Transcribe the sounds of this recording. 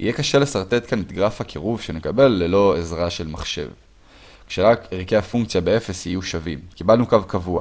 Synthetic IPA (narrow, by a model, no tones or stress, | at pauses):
ḭjekaʃe̞lesaʁt̪e̞t̪kanet̪ɡʁafakʰiʁuvʃe̞nekabe̞lːe̞lo̞ezʁaʃe̞lmaχʃe̞̰v | kʃelaeʁike̞hafuŋkt͡sjabee̞fe̞shijuʃavimkibalnukavkavua̰